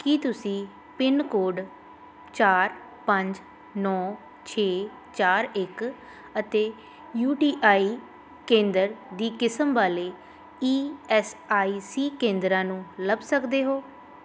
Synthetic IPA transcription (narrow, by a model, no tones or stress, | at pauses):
kit̪ʊsĩː | pɪnkoːɖ | t͡ʃaːɾ | pəɲd͡ʒ | nɔː | t͡ʃʰeː | t͡ʃaːɾɪk | ət̪eː | juːʈiːʔaːiː | kẽːnd̪əɾd̪iːkɪsəmʋaːleː | iːɛːsaːiːsiːkẽːnd̪ɾãːnũːləbsəkd̪eːɦoː